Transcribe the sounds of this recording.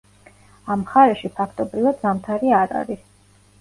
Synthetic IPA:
amχaɾɛʃipʰakʰt̪ʼɔbɾivad̪zamt̪ʰaɾiaɾa̰ɾis

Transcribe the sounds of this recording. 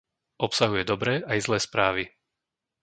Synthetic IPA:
ʔɔpsaɦujɛd̪ɔbɾɛːaizlɛːspɾaːʋi

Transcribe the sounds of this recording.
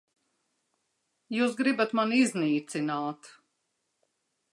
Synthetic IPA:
juːs̬ɡɾibat̪manizniːt̪sinaːt̪

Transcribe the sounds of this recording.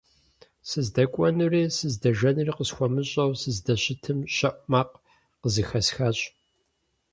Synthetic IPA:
sɨzdɐkʷʼɔnuriːsɨzdɐʒɐnɨriqəsxʷɔmɨɕʼɐwsɨzdɐɕɪtʰɨmɕʼɐʔʷʼmaːq | qəzɨxɐsxaːɕʼ

